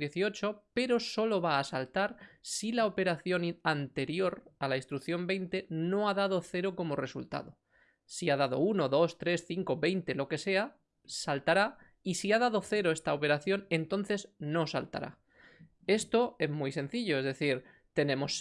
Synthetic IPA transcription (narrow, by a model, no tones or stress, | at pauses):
je̞θio̞t͡ʃo̞pe̞ɾo̞so̞lo̞βaːsalt̪aɾsilaope̞ɾaθjo̞nant̪e̞ɾjo̞ɾalaist̪ɾukθjo̞mbe̞jnt̪e̞no̞að̞að̞o̞θe̞ɾoko̞mo̞re̞sult̪a̰ðo̞ | siað̞að̞o̞̰uno̞ðo̞st̪ɾe̞sθiŋko̞βe̞jnt̪e̞lo̞ke̞se̞a | salt̪aɾa | isiaðað̞o̞θe̞ɾo̞est̪aope̞ɾaθjo̞ne̞nt̪o̞nθe̞zno̞sa̰lt̪a̰ɾa̰ | e̞st̪o̞e̞zmujse̞n̟θiʎo̞e̞zðe̞θiɾ | t̪e̞nẽ̞mo̞s